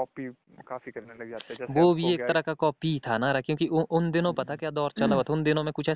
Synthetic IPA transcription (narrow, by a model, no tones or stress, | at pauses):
kɔːpi | kaːfikɐneaʋoːbʱieːk̚t̪ɐɾəɦkakɔːpit̪ʰanaːɾakjõːkiʔʊnd̪ɪnõpɐt̪akjaːd̪ɔːɾt͡ʃɐlaʋat̪ʰʊnd̪ɪnõmẽkʊt͡ʃʰɛː